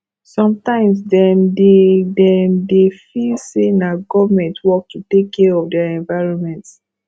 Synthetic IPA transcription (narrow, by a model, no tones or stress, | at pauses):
sɔ̃mtãɪ̃msdɛmdedɛmdefilsenaɡɔvamɛ̃ntwɔk̚tʰutekʰːɛɔfdɛaɛ̃nvaɪɹɔ̃nmɛ̃nts